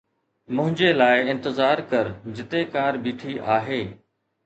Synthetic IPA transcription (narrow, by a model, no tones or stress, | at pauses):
mʊ̃ɦɪ̃ɲd͡ʑelaːɪɪ̃nt̪ɪzaːɾkɐɾd͡ʑɪt̪ekaːɾbiːʈʰiʔaːɦeː